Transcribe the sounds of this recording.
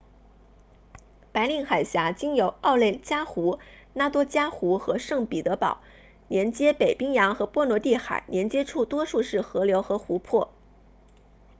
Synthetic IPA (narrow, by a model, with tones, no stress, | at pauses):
pa˧˥ɪli˥˩ŋxa˨˩ɪɕja˧˥t͡ɕi˥ŋjo˨˩ʊɑ˥˧ʊle˥˩ɪt͡ɕja˥xu˧˥na˥t̪wɔ˥t͡ɕja˥xu˧˥xɤ˧˥ʂɤ˥˩ŋpi˨˩t̪ɤ˧˥pɑ̰˨˩˦ʊ | njɛ˧˥nt͡ɕjɛ˥pe˨˩ɪpi˥ŋjɑ˧˥ŋxɤ˧˥pwɔ˥nwɔ˧˥t̪i˥˩xa̰˨˩ɪnjɛ˧˥nt͡ɕjɛ˥ʈ͡ʂʰu˥˩t̪wɔ˥ʂu˥˧ʂɻ̩˥˩xɤ˧˥ljo˧˥ʊxɤ˧˥xu˧˥pʰwɔ˥˩